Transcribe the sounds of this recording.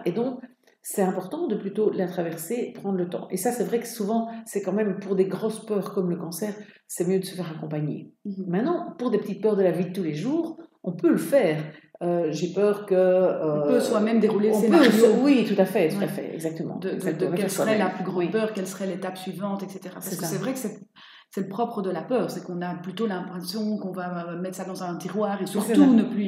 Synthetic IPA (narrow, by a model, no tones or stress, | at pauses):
ed̪ɔ̃k | sɛt̪ɛ̃pɔʁt̪ɑ̃d̪əplyt̪olɛ̃t̪χavɛʁsepχɑ̃d̪ʁlət̪ɑ̰̃ʔḛsasɛvʁɛkəsuvɑ̃sɛkɑ̃mɛmpuʁd̪eɡʁospœːʁkɔmləkɑ̃sɛːʁ | sɛmjød̪əsə̥fɛʁakɔ̃paɲḛmɛ̃t̪nɑ̃puʁd̪epət̪it̪̚pœːʁd̪əlavid̪ət̪uleʒuːʁɔ̃pøləfɛːʁøʒepœːʁkə̃ːpøswamɛmd̪eʁuleɔ̃sepøwit̪ut̪afɛt̪ut̪afɛ̰ɛ̰ɡzak̚t̪əmɑ̰̃d̪əad̪əkɛɛssəʁɛlaplyɡʁɑ̃wipœːʁkɛlsəʁɛlet̪apsɥivɑ̃t̪ɛkset̪eʁa̰sasɛkasɛvʁɛkə̥sɛ | sɛləpχɔpχəd̪əlapœːʁsɛkɔ̃naplyt̪olɛ̃pχɛ̃sjɔ̃kɔ̃vamɛt̪sad̪ɑ̃zɛ̃t̪iʁwaːʁesyʁfɛt̪unəply